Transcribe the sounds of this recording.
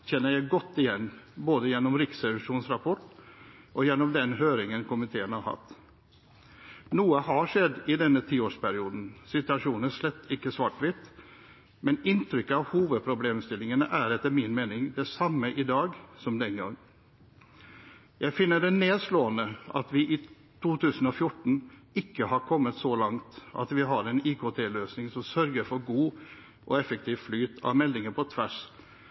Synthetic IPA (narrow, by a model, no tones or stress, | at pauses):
çɛnːəɾjæɪɡɔt̪ːɪjɛnːboːd̪əjɛnːɔmɾɪksɛʋɪʂuːnsɾɑpʰɔʈ | ʔɔjɛnːɔmd̪ɛnɦøːɾɪŋənkʰʊmɪt̪ʰeːənhɑɾhɑ̰t̪ː | nuːəɦɑʂɛd̪ːɪd̪ɛnːət̪ʰiːoːʂpʰæɾɪuːd̪n̩sɪt̪ʉɑʂuːnəʂlɛt̪ːɪkːəsʋɑʈʋɪt̪ | mɛnɪnt̪ʰɾʏkːəɑʋhuːʋəd̪̚pʰɾʊbleːmst̪ɪlɪŋənəʔæɾɛt̪ːəɾmɪnmeːnɪŋd̪ɛsɑmːəʔɪd̪ɑːɡsɔmd̪ɛnɡɑ̰ŋː | jæɪfɪnːəɖɛneːd̪sloːənəɑ̰t̪ʋɪʔɪ | t̪ʰuːt̪ʰʉːsən̩ɔfjʊʈɳ̩ɪkːəhɑɾkʰɔmːət̪sɔlɑŋt̪ɑ̰t̪ʋɪɦɑɾɛniːkʰoːt̪ʰeːløːsnɪŋsɔmsœɾɡəɾfɔɾɡuː | ʔɔ̰ɛfək̚t̪ʰiːʋflyːt̪ʰɑ̰ʋmɛlːɪŋəɾpʰɔt̪ʰʋæʂ